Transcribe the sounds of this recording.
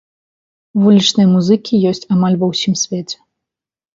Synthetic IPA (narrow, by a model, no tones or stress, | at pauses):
vulʲit͡ʂnɨjɐmuzɨkʲijɔsʲt͡sʲamalʲvɐwsʲimsʲvʲet͡sʲɛ̥